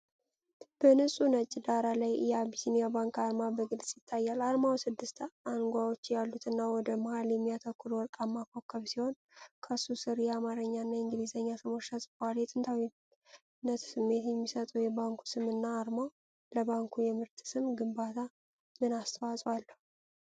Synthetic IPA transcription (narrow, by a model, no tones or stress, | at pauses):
b̥ənɨsʼunət͡ʃʼːd̪aɾalajjɛabisinijabaŋkʰaɾmabəɡɨlsʼjɪt̪ʰːajːalaɾmawsɨd̪ːɨst̪ʰanɡʷawo̞t͡ʃːjalːut̪ʰɨnːawɔd̪əməhaljɛmːijat̪ʰəkːuɾwɔɾt̪ʼamːakʰːokʰːəβsiho̞n | kʰəsusɨɾjɛamaɾəɲːanːajɨŋɡɨlizəɲːasɨmoʃasʼbaljɛt̪ʼɨnt̪ʰawi | nːət̪sɨmːe̞t̪jɛmːisət̪ʼəwjɛbaŋkʰu̥sɨmɨnːaːɾma | ləβaŋkʰujɛmɨɾt̪ʰsɨmɡɨmbat̪ʰa | mɨnast̪ʰəwasʼwalːəhu